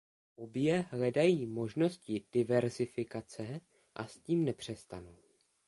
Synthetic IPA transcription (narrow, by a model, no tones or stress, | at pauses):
ʔobjɛɦlɛdajiːmo̞ʒno̞scɪd̥ɪvɛɾzɪfɪkat͡sɛ | ʔa̰sciːmnɛpr̝̥ɛst̪anu